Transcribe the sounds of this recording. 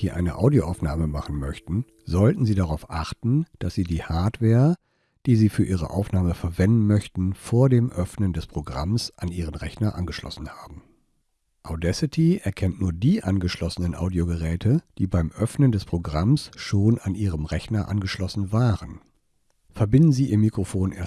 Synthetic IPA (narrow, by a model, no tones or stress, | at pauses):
d̥iːʔa̰ɪnə̰ʔa̰ʊdioʔaʊfnaːməmaχn̩mœçtn̩ | zɔltn̩ziːdaʁaʊfʔaχtn̩d̥asz̥iːdiːhaɐtv̥ɛːɐ | d̥iːziːfyːɐʔiːʁ̞ə̰ʔa̰ʊfnaːməfɛɐvɛndn̩mœçtn̩foːɐdeːmʔœfnəndɛspʁ̥oɡʁa̰msʔanʔiːʁənʁɛçnɐʔa̰nɡəʃlɔ̰sn̩haːbm̩ | ʔaʊdɛsɪtʰiɛɐkʰɛntnuːɐdiːʔanɡəʃlɔsənənʔa̰ʊdioɡəʁɛːtʰəd̥iːbaɪmʔœfnəndɛspʁ̥oɡʁamsʃoːnanʔiːʁəmʁɛçnɐʔa̰nɡəʃlɔsn̩vaːʁən | fɛɐbɪndn̩ziːʔiːɐmikʁ̥ofoːnʔḛːɐ